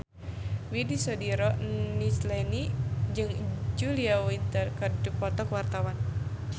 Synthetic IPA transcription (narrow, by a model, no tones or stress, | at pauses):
widisɔdiɾɔnislɛnid͡ʒɨŋd͡ʒuliawint̪ərkəduk̚pɔt̪ɔkwart̪awan